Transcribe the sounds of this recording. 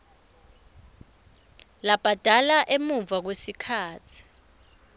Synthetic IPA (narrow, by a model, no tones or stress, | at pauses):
lab̥ʱad̥ʱalaʔemuɱvak̬wesikʰaːt͡sʰi̥